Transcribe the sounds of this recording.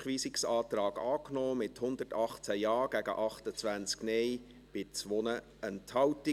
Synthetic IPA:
χʋiːsɪksɑːt̪ɾɑːɡɑːknɔːmɪthʊnd̪ərtɑχt͡sæjɑːɡ̥æɡə̰ʔɑχtət͡sʋænt͡sknɛj | b̥ɪt͡sʋɔnə | ɛnthɑwti

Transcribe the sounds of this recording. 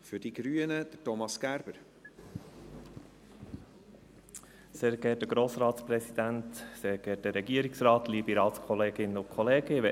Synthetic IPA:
fyd̥iɡ̥ɾyːənəd̥̪ətɔmɑsɡ̥æɾb̥əɾ | seːɾɡ̥ɛːt̚dəɡ̥ɾoːsɾɑːt̪spɾɛsid̥̪ænt̪seːɾɡ̥ɛːt̚dəːɛɡiəɾiksɾɑːt̪liːbiɾɑːt̪skʰɔleːɡɪnəʊkʰɔleːɡəʋɛ

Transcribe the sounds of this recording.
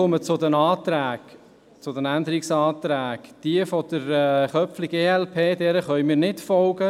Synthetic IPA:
ʊmət͡sʊd̪ɛnɑːt̪ɾæːɡ | t͡sʊd̪ɛnænd̪əɾiksɑːt̪ɾæːɡ̥d̪̥iəfɔd̥̪əɾɛχœpfliɡeːɛlpʰeːd̥ɛːɾəχœʏmɪːɾnɪtfɔlɡə

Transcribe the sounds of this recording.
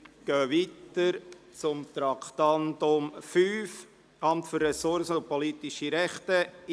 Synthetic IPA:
ɡ̥œːʋit̪əɾt͡sʊmt̪ɾɑkʰt̪ɑnt̪ʊmfyːf | ɑmt̪fʏɾːɛsʊɾsəʊpɔlit̪ɪʃiɾɛχt̪ə

